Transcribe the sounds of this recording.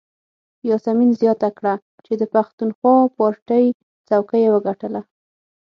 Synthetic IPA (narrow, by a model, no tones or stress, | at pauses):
jɑsaminzjɑt̪akɽa | t͡ʃed̪əpaxt̪unxwɑpɑɾʈəj | t͡sawkəjewəɡaʈəla